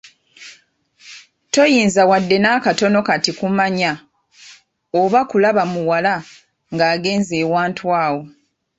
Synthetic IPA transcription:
to̞jiːnzawadːe̞nakato̞no̞katikumaɲa | oβakulaβamuwala | ŋɡaːɡe̞ːnzeːwaːntwaːwo̞

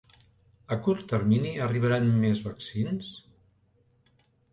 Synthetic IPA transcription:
əkuɾt̪ːəɾminiəriβ̞əɾanmezβəksins

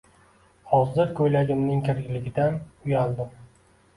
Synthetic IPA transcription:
hɒzɪɾkʰɵjlaɡʲɪmnɪŋkʲʰɪɾɡʲɪlɪɡʲɪd̪anʊjald̪ɪm

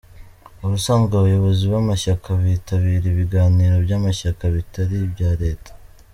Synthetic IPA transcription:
uɾusaːmɡaːβajo̞βo̞ziβamaʃakʰaβiːtaβiːɾiβiɡaːniːɾo̞bjamaʃakaβitaɾibjaːɾe̞ːtḁ

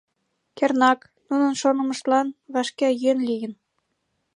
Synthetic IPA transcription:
kʲernɑk | nunɤ̆nʃonɤ̆mɤ̆ʃlɑnβɑʃkʲæjønlʲijɘ̆n

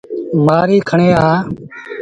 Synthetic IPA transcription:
maːɾiːkʰəɳeːaː

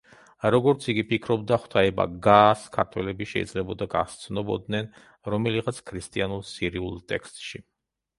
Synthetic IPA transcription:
ɾɔɡɔɾt̪sʰiɡipikʰɾɔbd̪aχwt̪ʰaɛba̰ɡaːskʰaɾt̪ʰwɛlɛbiʃɛḭd̪zlɛbɔd̪aɡa̰st̪sʰnɔbɔd̪nɛn | ɾɔmɛliʁat̪sʰkʰɾist̪ʼianulsiɾiulˠt̪ʼɛkst̪ʼʃi

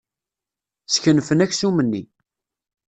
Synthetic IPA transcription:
sçənfənæçsumənːi

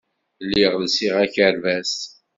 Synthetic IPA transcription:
lːiʁlsiʁæçəɾvæs

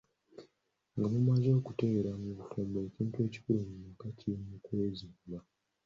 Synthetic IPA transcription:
ŋɡamumazo̞ːkute̞ɾamuβutoːmboeciːntue̞ːci̥kulumuukatʰimukwe̞ːziːmba

